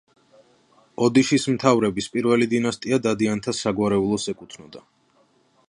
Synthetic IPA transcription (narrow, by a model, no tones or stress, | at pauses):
ɔd̪iʃismt̪ʰavɾɛbispʼiɾvɛlid̪inast̪ʼiad̪ad̪iant̪ʰasaɡwaɾɛulˠɔsɛkʼut̪ʰnɔd̪a